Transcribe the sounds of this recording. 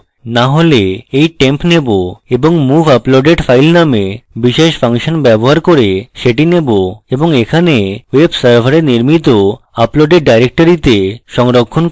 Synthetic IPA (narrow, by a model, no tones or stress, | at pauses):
naɦoleejʈempneboeboŋmubʱaploɖeɖfʰajlnamebiʃeʃfʰaŋʃonbɛboɦaɾkoɾeʃeʈineboeboŋekʰanewebsaɾbʱaɾeɾniɾmit̪o | aploɖeɖ̚ɖajɾek̚ʈoɾit̪eʃɔŋɾokʰːon